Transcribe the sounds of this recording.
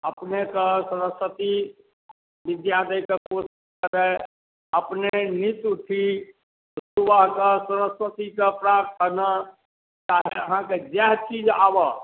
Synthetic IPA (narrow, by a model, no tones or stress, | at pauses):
əpnekesəɾəswət̪i | bɪd̪jat̪əjkekosiʃkəɾɛ | əpnenit̪uʈʰi | suʋaɦkasəɾəsʋət̪ikepɾat̪ənə | t͡ʃaɦɛəɦãked͡ʒɛɦt͡ʃid͡ʒaːbə